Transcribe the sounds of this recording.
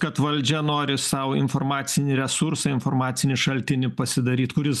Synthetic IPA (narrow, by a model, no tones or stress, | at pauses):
kɐt̪ʋɐlʲd͡ʒʲɛnoːɾʲɪsɐʊɪ̰nfoːɾmɑːt̪sʲɪnʲɪɾʲɛsʊɾsɐɪnfoɾmɑːt̪sʲɪnʲɪʃɐlʲt̪ʲɪnʲɪpɐsʲɪd̪ɐɾʲiːt̪kʊɾʲɪs